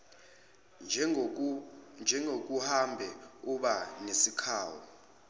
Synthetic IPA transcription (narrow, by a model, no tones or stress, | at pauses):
nd͡ʒʱɛŋʱok̬uhambʱɛuɓanesikʰaːwɔ̰